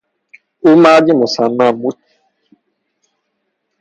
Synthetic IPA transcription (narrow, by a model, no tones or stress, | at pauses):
ʊmad͡ʒɪmʊsanamuti